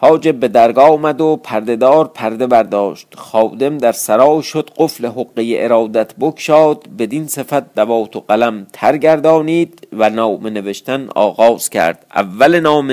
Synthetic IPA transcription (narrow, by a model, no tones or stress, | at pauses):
hɒːd͡ʒe̞be̞d̪æɾɡɒːmæd̪opʰæɾd̪e̞d̪ɒːɾpʰæɾd̪e̞bæɾd̪ɒːʃt̪xɒːd̪e̞md̪æɾsæɾɒːʃod̪̥ɢofle̞ɦoɣːejeʔeɾɒːd̪æt̪ʰbokʰʃɒːd̪̥be̞d̪inse̞fæt̪̚d̪ævɒːt̪ʰoɢælæmt̪ʰæɾɡæɾd̪ɒːniːd̪vænɒːmene̞ve̞ʃt̪ænɒ̰ːɣɒːz̥cʰæ̰ɾd̪̥æ̰vːælenɒːme